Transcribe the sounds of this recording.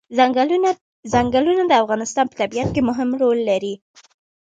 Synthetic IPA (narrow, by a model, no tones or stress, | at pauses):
zaŋɡəlunad̪əafɣɑnɪst̪ɑnpə̥t̪abiat̪̚kemʊɦɪmɾolːaɾi